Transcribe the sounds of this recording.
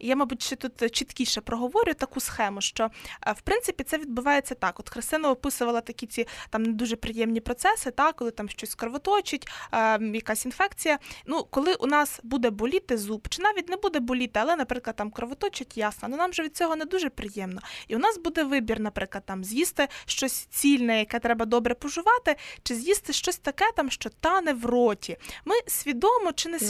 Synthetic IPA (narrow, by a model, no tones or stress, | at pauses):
jamɑbutʲʃt͡ʃɛt̪ut̪t͡ʃit̪kʲiʃɛpɾɔɦɔʋɔɾʲjʊt̪ɐkusxɛmʊʃt͡ʃɔwpɾɪnt̪sɪpʲit̪sɛʋʲid̪̚bʊʋɑjet͡sʲːɐt̪ɑkɔt̪xɾɪst̪ɪnɐɔpɪsʊʋɐlˠɐt̪ɐkʲit͡sʲit̪ɑmned̪uʒɛpɾɪjɛmnʲipɾɔt̪sɛsɪt̪ɑkkːɔlˠɪt̪ɑmʃt͡ʃɔsʲkɾɔʋɔt̪ɔt͡ʃɪtʲːjɐkasʲinfɛkt͡sʲijɐnukɔlˠɪʔʊnɑsbud̪ɛbɔlʲit̪ɛzupt͡ʃɪnɑʋʲitʲnɛbud̪ɛbɔlʲit̪ɛɐlˠɛnɐpɾɪklˠɐd̪ɑmkɾɔʋɔt̪ɔt͡ʃɪtʲjɑsnɐnunɑmʒɛʋʲid̪̚t͡sʲɔɦɔnɛd̪uʒɛpɾɪjɛmnɔiʊnɑsbud̪ɛʋɪbʲirnɐpɾɪklɐd̪̚t̪ɑmzʲjist̪ɪʃt͡ʃɔsʲt͡sʲilʲnɛjɐkɛt̪ɾɛbɐd̪ɔbɾɛpɔʒʊʋɑt̪ɪt͡ʃɪzʲjist̪ɪʃt͡ʃɔsʲt̪ɐkɛt̪ɑmʃt͡ʃɔt̪ɑnɛʋrɔtʲʰimɪsʲʋʲid̪ɔmɔt͡ʃɪnɛ